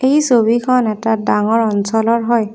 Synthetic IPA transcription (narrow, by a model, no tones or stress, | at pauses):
ejsobikʰɔnɛtadaŋɔɹɔnsɔlɔɹɦɔj